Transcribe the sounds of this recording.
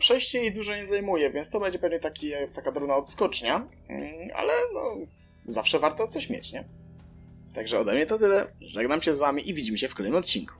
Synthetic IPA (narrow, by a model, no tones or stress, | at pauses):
pʂɛjɕt͡ɕɛjejd̪uʐɔɲɛzajmujɛvʲjɛnst̪ɔbɛɲd͡ʑɛpɛvɲɛt̪akʲit̪akad̪ɾɔnaɔt̪skɔt͡ʂɲa | ʔa̰lɛnɔ̰ | zafʂɛvaɾt̪ɔt̪sɔɕmʲjḛt͡ɕɲɛ | t̪aɡʐɛɔd̪ɛmɲɛt̪ɔt̪ɘlɛʐɛɡnamɕɛzvamʲiʔivʲid͡ʑimɕɛfklɛnɘmɔt̪̚t͡ɕinku̥